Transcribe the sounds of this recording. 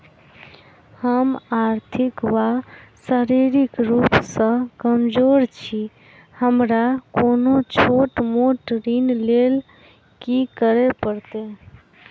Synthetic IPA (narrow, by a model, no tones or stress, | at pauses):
həmaɾt̪ʰikʋasəɾiɾikɾupsə̃kəmd͡ʒoɾt͡ʃʰi | həmɾakonot͡ʃʰoʈmoʈɾinlel | kikəɾepəɾt̪e